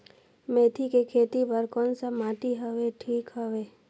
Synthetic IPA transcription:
meːt̪ʰikekʰeːt̪ipəɾkɔːnsamaːʈ̪iɦəʋeʈʰiːkɦəʋeː

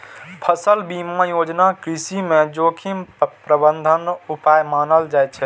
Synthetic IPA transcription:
pʰəsəlbimajod͡ʒnakɾisimẽd͡ʒokʰimpɾəbənd̪ʱənupajmaːnəld͡ʒajt̪̚t͡ʃʰɛ

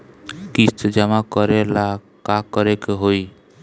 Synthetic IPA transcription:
kist̪ʰd͡ʒɛmakɔɾela | kakɔɾekeɦoj

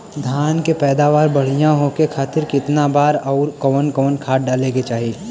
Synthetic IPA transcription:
d̪ʱjaːnkepɛːd̪aːʋaːɾbɐɽ̤ijãɦokekʰaːt̪ɪɾkɪt̪nabaːɾɔːɾkɔʋənkɔʋnkʰaːʈ̚ɖaːlẽket͡ʃaːɦie

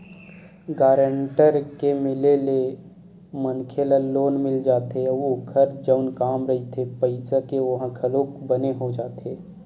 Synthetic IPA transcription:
ɡaːɾəɳʈəɾkemɪlele | mənkʰelaloːnmɪld͡ʒaːt̪eukʰɐɾd͡ʒəʊnkaːmɾəɦit̪ʰepəɪsakeʋɐɦãkʰɐloːkbəneɦod͡ʒaːt̪eː

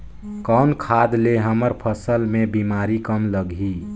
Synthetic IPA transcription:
kɔʊnkʰad̪leɦəməɾpʰəsəlmẽbimaɾikəmləɡʱi

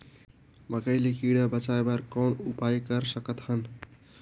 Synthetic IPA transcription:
mʌkʌjlekiɽabʌt͡sajbaɾkʌnupajkʌɾsʌkʌt̪hʌn

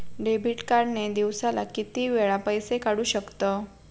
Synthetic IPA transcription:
ɖebʱiʈkaɾned̪iʋsala̰kit̪iːʋeɭapəjsekaɽuːɕəkt̪ə

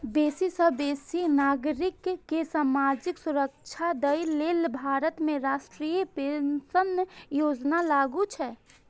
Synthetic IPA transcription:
beːsisəbeːsinaːɡɾɪkːesaːmaːd͡ʒɪksʊɾəkt͡ʃʰad̪əileːlbʱaːɾət̪mẽɾaːʃʈɾiːjəpẽnsənjoːd͡ʒnalaːɡut͡ʃʰɛː

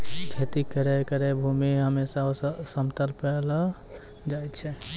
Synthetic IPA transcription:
kʰet̪ikəɾɛkəɾɛbʱumiɦəmesaosəmt̪əlpələ | d͡ʒajt͡ʃʰɛ

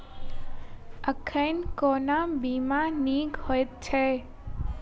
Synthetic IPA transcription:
əkʰəjnkonabiːmaniːɡhojt̪̚t͡ʃʰe

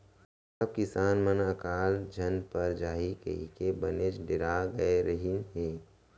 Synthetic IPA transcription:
əb̚kɪsaːnmənəkaːld͡ʒʱənpəɾd͡ʒaːɦikḛḭkebəned͡ʒɖɪɾaɡəeɾəɦiɦeː

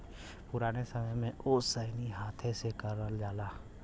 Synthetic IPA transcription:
pʊɾaːnesɐməjmẽʔoːsəɪniɦaːt̪ʰesekəɾəld͡ʒaːlaː

